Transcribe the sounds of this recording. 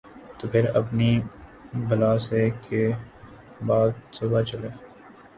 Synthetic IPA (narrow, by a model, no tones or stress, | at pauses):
t̪oːpʰɪɾɐ̰pni | bɐlaːseke | baːd̪̚sʊbat͡ʃɐleː